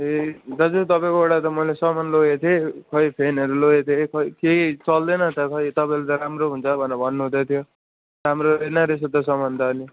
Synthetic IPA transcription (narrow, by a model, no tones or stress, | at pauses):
ed̪ʌd͡zut̪ʌpaj̃kooɽat̪ʌmʌjlesʌmanloɡet̪ʰekʰʌjpʰenʌɾuloet̪ʰekʰʌikeit͡sʌld̪ʌnʌt̪ʌkʰʌjt̪ʌpaj̃let̪ʌɾamroɦunt͡sʰʌbʱʌnʌbʱʌnːuɦũd̪ʌt̪ʰjo | ɾamɾoenʌɾesʌd̪ʌsʌmʌnd̪ʌːni